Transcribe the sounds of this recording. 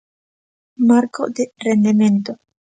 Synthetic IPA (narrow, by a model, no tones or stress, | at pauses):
maɾko̰d̪erend̪ement̪o